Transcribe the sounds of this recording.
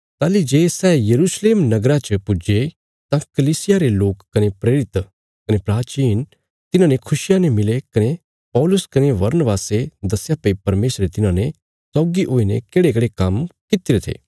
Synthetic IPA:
t̪aːlid͡ʒeːsɛːjɐɾuːsleːmnɐɡɾãt͡ʃəpʊd͡ʒe | t̪ãkɐliːsɪjaɾeloːkːɐnepɾeːɾɪt̪ | kɐnepɾaːt͡ʃiːn | t̪ɪnãnekʰʊʃɪjanemɪlekɐne | pɔːlʊskɐneʋɐɾnəʋaːsed̪ɐsjapɐipɐɾmeːsɾet̪ɪnãnẽ | sɔːɡiʔoːinḛ̃keːɽekɽekɐmkɪt̪ɪɾet̪ʰḛː

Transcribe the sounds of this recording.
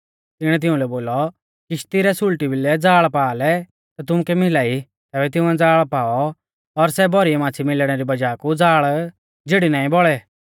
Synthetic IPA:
t̪ɪɽ̃ɛt̪̬ɪʊ̃lɛboːlɔ | kɪʃt̪ɪɾɛsʊlʈibɪlɛd͡zaːɭpaːlɛ | t̪at̪̬ʊmʊkɛmɪlaːi | t̪ɛːbɛt̪̬ɪʊ̃ɛd͡zaːɭpaːɔ | ɔɾsɛbɔɾiɛmãːt͡sʰimɪlɽ̃ɛɾibɐd͡ʒaːkud͡zaːɭ | d͡zeːɽinaːĩbɔɭɛ

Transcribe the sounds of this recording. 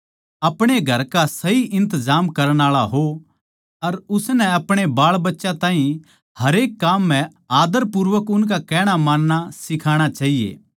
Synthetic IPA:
ɐpɽ̃eɡʱɐɾkasɐiʔɪ̃nt̪əzaːmkɐɾəɽ̃aːɭaɦo | ɐɾʊsnɛ̃ɐpɽ̃ebaːɭbɐtːʃãt̪ãːɦĩ | hɐɾeːkːaːmːɛ̃ | aːd̪əɾpʊɾʋəkʊnk̬akɛːɽ̃amãːnːasɪkʰaːɽ̃at͡ʃaːɦijḛː

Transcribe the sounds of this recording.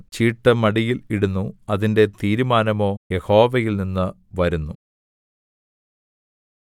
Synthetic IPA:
t͡ɕiːʈːɐmɐɽijiliɽunːuɐðinde̞t̪iːɾumaːnɐmo̞ːje̞ho̞ːʋɐjilninːɨ | ʋɐɾunːu

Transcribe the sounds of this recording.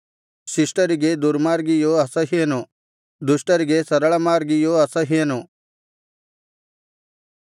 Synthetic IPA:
sɪsʈɐɾiɡed̪uɾmaːɾɡijoɐsɐɦeːno | d̪usʈɐɾiɡesɐɾɐɭɐmaːɾɡijoɐsɐɦeːno

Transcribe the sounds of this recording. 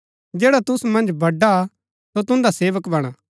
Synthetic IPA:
d͡ʒɛːɽat̪ʊsumɐ̃nd͡ʒbɐɖːa | sot̪ʊ̃nd̪aseːʋəkbɐɽ̃aː

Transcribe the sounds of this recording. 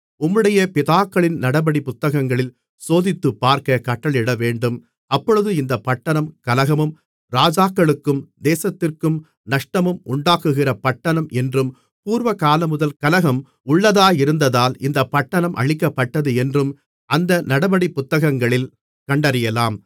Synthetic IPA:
ʊmːɯɽɐjɐpɪðaːkːɐɭɪnnɐɽɐbɐɽipʊt̪ːɐɣɐŋɡɐɭɪl | soːðɪt̪ːɯpːaːɾkɐkɐʈːɐɭɪɽɐʋeːɳɖɯm | ɐpːɔɻɯðɯɪnd̪ɐpːɐʈːɐɳɐmkɐlɐɣɐmɯm | ɾaːd͡ʒaːkːɐɭɯkːɯmd̪eːsɐt̪ːɪrkɯm | nɐʂʈɐmɯmʔʊɳɖaːkɯɣɪrɐpɐʈːɐɳɐmɛndrɯm | puːɾʋɐkaːlɐmʊðɐlkɐlɐɣɐm | ʊɭːɐðaːjɪɾɯnd̪ɐðaːlɪnd̪ɐpːɐʈːɐɳɐmʔɐ̰ɻɪkːɐpːɐʈːɐðɯɛndrɯm | ʔɐnd̪ɐnɐɽɐbɐɽipʊt̪ːɐɣɐŋɡɐɭɪl | kɐɳɖɐɾɪjɐlaːm

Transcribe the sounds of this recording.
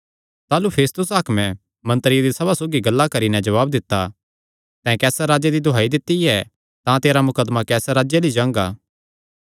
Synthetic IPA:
t̪aːlupʰeːst̪ʊsaːkmɛ̃ | mɐ̃nt̪əɾjd̪isɐbasoːɡiɡɐlːakɐɾinɛ̃d͡ʒɐʋaːb̚d̪ɪt̪ːa | t̪ɛ̃kɛːsaɾaːd͡ʒed̪id̪ʱoɦaːid̪ɪt̪ːiɛ | t̪ãt̪eːɾamʊkəd̪makɛːsaɾaːd͡ʒelid͡ʒãːŋɡaː

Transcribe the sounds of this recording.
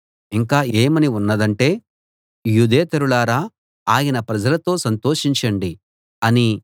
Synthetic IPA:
iŋkaːeːmɐniunːɐd̪ɐɳʈe̞ː | jud̪eːt̪ɐɾuɭaːɾaː | aːjinɐpɾɐd͡ʒɐlɐt̪o̞ːsɐnt̪o̞ːʂiɲt͡ʃɐɳɖi | ɐni

